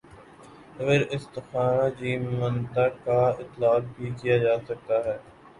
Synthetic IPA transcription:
əɣɾɪst̪ɪxaːɾad͡ʒiːmmə̃nt̪akaɪt̪ːlaːk̚bʱikijad͡ʒaːsɐk̚t̪aɦɛː

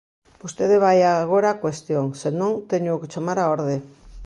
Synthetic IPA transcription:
ust̪eðeβajaɣo̞ɾakwe̞st̪ionsenont̪eɲukt͡ʃamaɾaoɾðe

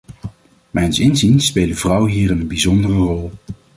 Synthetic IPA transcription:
mɛjnsɪnzinspeːlˠdəvrʌwɦiːrənənbizɔndərərɔlˠ

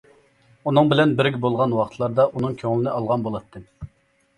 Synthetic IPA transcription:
unɨŋbɪlɛnbɪɾɡʲibolˠʁɑnwɑqʰt̪ʰlˠɑɾd̪ɑʔunɨŋkʲʰøŋɪlɪnɪɑlˠʁɑnbolˠɑt̪ːɨ

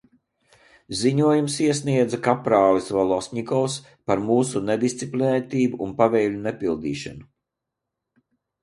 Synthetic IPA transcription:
ziɲuɔjumsiɛsniɛd̪zakapɾaːvisvalˠɔsʲɲʲikɔws | paɾmuːsuned̪ist̪sʲiplʲinɛt̪ʲiːbuʔːnpavɛːlʲunepilˠd̪ḭːʃa̰nu

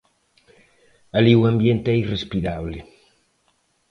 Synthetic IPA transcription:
aliwambjent̪eɛirespiɾaβle

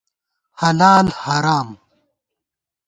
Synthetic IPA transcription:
hɐlaːlhɐɾaːm

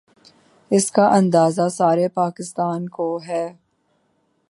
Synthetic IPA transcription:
ɪskaʔɐ̃nd̪aːzasaːɾepaːkɪst̪aːnkoɦɛː

